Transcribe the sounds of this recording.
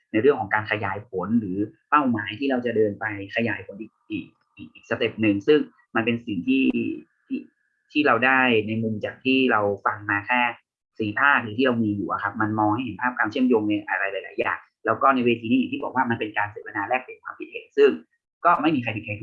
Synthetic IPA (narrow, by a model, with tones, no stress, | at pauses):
na˧jɾɯ˥˩ŋkʰɔ˩˦kaː˧nkʰa˧jaː˨˩˦jpʰo˩˦nɾɯː˩˦pa˥˩wmaː˨˩˦jt̪ʰiː˥˩ɾa˧wt͡ɕa˨˩dɤː˧npa˧jkʰa˧jaː˩˦jpʰo˨˩˦nʔi˨˩k̚ʔiː˨˩k̚ | ʔiː˨˩k̚ʔiː˨˩k̚sa˧t̪e˨˩p̚nɯ˨˧ŋsɯ˥˩ŋ | ma˧npe˧nsi˨˩ŋt̪ʰiː˥˩ | t̪ʰiː˥˩ | t̪ʰiː˥˩ɾa˧wdaː˥˩jna˧jmu˧mt͡ɕaː˨˩k̚t̪ʰiː˥˩ɾa˧wfa˧ŋmaː˧kʰɛː˥˩ | siː˨˩˦pʰaː˥˩k̚ɾɯː˨˦t̪ʰiː˥˩a˧wmiː˧juː˨˩ʔa̰˨˩kʰa˦˥p̚ma˧nmɔː˧ŋha˥˩jhe˨˦npʰaː˥˩p̚kwaː˧mt͡ɕʰəmjoː˧ŋn˧˩ʔa˨˩ɾaː˧˥jlaː˨˦la̰ː˨˩˦ja̰ː˨˩ŋ | lɛː˦˥wkɔː˥˩na˧jweː˧t̪ʰi˧niː˥˩˨t̪iː˥˩bɔː˨˩k̚waː˥˩ma˧npe˧nkaː˧nseː˨˩˦pʰa˧naː˧lɛː˥˩k̚le˨˩kʰwaː˧mpʰi˦t̪̚hḛː˨˩˦t̪̚sɯ˥˩ŋ | kɔː˥˩ma˥˩jmiː˧kʰa˧pʰi˨˩t̚ha˧˩